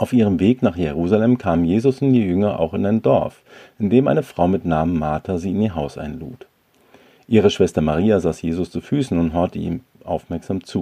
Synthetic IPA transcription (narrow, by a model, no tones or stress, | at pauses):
ʔaʊfiːʁ̞əmveːknaːχjeʁuːzalɛmkʰaːmmjeːzʊsʊntd̥iːjʏŋɐʔa̰ʊxɪnaɪndɔɐfʔɪndeːmʔa̰ɪnəfʁ̥aʊmɪtnaːmənmaːtʰaziːɪniːɐɦaʊsʔa̰ɪnlṵːt | ʔiːʁ̞əʃv̥ɛstɐmaʁ̞iːazaːsjeːzʊst͡sufyːsn̩ʊntɦɔɐtəḭːm | ʔa̰ʊfmɛɐkz̥aːmt͡suː